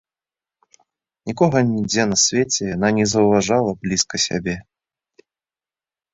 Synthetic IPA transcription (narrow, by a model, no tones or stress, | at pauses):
nʲikɔɣɐnʲid͡zʲɛnɐsʲvʲet͡sʲɛjan̪anʲɛzɐwvaʐalˠɐblʲiskɐsʲa̰bʲɛ